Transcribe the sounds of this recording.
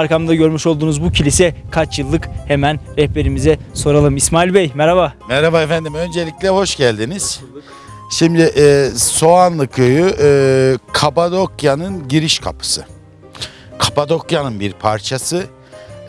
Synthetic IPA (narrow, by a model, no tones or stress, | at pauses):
ɾkamd̪aɟø̞ɾmyʃo̞lˠd̪uːnuzbucʰilʲisɛkʰat͡ʃjɯlˠːɯkhemænɾɛhbe̞ɾimizɛso̞ɾalˠɯmismaːilʲbɛjmɛɾabamɛɾabaefænd̪imø̞nd͡ʒelʲiclʲɛho̞ʃɟælʲd̪iniz̥ | ʃimd̪ɪʔɛːso̞anlˠɯkʰøjyʔːkʰapad̪okjanɯnɟiɾiʃkʰa̰pʰɯ̥sɯ̰ | kʰapad̪o̞kjanɯnbiɾpʰaɾt͡ʃʰasɯ